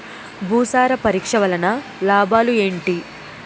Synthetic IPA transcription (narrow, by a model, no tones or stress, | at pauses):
bʱuːsaːɾɐpɐɾiːkʂɐʋɐlɐnɐ | laːbʱaːlue̞ːɳʈi